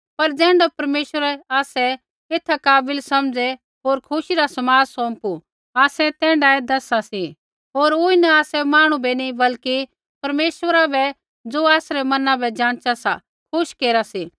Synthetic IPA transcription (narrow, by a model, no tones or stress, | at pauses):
pɐɾd͡zɛ̃ːɳɖapɐɾmeːʃwəɾɛaːsɛ | ɪt̪ʰakaːbɪlsɐmd͡zɛ | ɦoːɾkʰʊʃiɾasɐmaːd͡zsõːmpu | aːsɛt̪ɛ̃ːɳɖaɛd̪ɐsasi | ɦoːɾʊːinɐaːsɛmaːɽ̃ubɛnĩbɐlki | pɐɾmeːʃwəɾabɛ | d͡zoːaːsɾɛmɐnãbɛd͡ʒãːɽ̃t͡ʃasa̰ | kʰʊʃkeːɾasiː